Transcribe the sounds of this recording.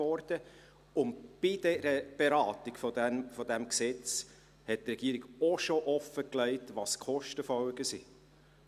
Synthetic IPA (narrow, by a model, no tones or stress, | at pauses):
ɔɾd̥ə | ʊntb̥id̥ɛɾəb̥eɾɑːtiɡfɔdɛfɔdɛmksɛt͡s | hɛt̚trɛɡiːɾiɡɔʃoʔɔfəklɛɪtʋɑskʰɔʃtəfɔlɡəsi